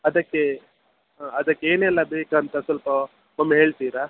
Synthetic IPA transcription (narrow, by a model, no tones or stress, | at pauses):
ɐd̪ɐkːe | ɐd̪ɐkːeeːnɛlːɐbeːkɐnt̪ɐsɐlpɐ | mɐmːɐɦe̞ːɭt̪iːɾa